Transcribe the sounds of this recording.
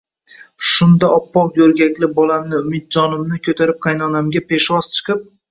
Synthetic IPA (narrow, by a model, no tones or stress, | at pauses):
ʃʊnd̪aʔɒpːɒwˠjɵɾɡʲakʲlɪbɒlamnɪʊmɪt̪̚d͡ʒɒnɪmnɪkʲʰɵt̪ʰaɾɪp̚qʰɑjnɒnamɡʲapʰe̞ʃvɒz̥t͡ʃʰɨ̥qʰɨp̚